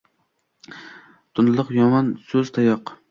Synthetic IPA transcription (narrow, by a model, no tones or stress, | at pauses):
t̪ʰʊnlˠɨqjɒmɒnsɵzt̪ʰajɒq